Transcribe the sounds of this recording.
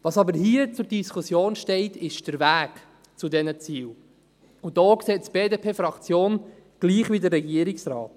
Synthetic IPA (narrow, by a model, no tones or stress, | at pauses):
vɑsɑbəɾhiːət͡sʊɾdiskʰusjoːnʃtɛɪtʰɪʃd̥əɾvæːk | t͡sudɛnət͡siːl | ʊd̥ɔːkseːtb̥eːdeːpʰeːfɾɑkt͡sjoːn | ɡ̥liːχʋidərːɛɡiəɾiksɾɑːt